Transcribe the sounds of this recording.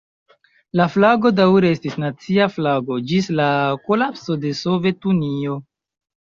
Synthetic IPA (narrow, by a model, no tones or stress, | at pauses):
laflaɡo̞dawɾeestisnat͡siaflaɡo̞d͡ʒislako̞lapso̞de̞sove̞tunio̞